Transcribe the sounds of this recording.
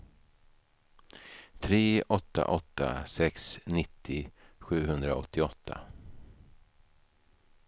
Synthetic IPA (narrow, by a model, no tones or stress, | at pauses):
t̪ʰɾeːʔɔt̪ːa̰ʔɔt̪ːa̰sɛksnɪt̪ʰːɪɧʉ̟ːɦɵnd̪ɾaɔt̪ʰːɪɔt̪ʰːa̰